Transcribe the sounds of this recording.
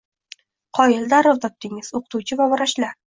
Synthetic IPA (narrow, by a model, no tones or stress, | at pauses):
qʰɒjɪld̪aɾʊvt̪ʰɒp̚t̪ʰɪŋɪz̥oqʰɨt̪uwt͡ʃʰɪvabɒɾaʃla